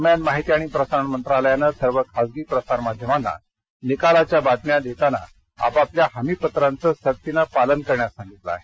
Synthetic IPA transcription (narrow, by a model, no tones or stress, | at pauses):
mjanmaɦit̪iaɽ̃ipɾəsaɳmənt̪ɾaləjanəsəɾʋəkʰad͡zɡiːpɾəsaɾmad̪ʱjəmanːa̰ | nikalat͡ɕjabad̪̚mjad̪et̪ana̰ | a̰papljaɦamipət̪ɾant͡səsək̚t̪inapalənkəɾɳjasãŋɡit̪la̰ːɦe